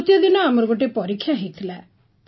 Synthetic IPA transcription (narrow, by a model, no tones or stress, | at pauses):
t̪jad̪ɪnãːməɾɡoʈ̬eːpɔɾikʰːjãːɦit̪ʰlɛː | t̪